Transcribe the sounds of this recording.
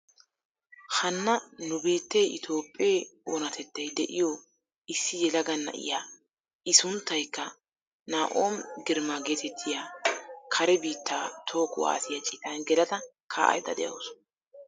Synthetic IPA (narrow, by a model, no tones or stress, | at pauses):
hɐnːɐnʊbiːt̪ːeʔɪt̪ʰo̞ːpʼːɪeːoːnɐt̪ɛt̪ːɐjd̪ɛ̰ʔɪjo | ɪsːɪjɛlɐɡɐnːɐ̰ʔɪ̰jaː | ɪsʊnt̪ːɐjkːɐ | naːʔoːmɡɪɾmaɡeːt̪ɛt̪ʰːɪjaːkʰɐɾɛbiːt̪ːaːt̪ʰo̞ːkʼʊwa̰ːsɪjɐt͡ʃʼɪt̪ɐnɡɛlɐt̪ɐkʰa̰ːʔɐ̰jd̪ɐ̰d̪ɛ̰jɐ̰ːs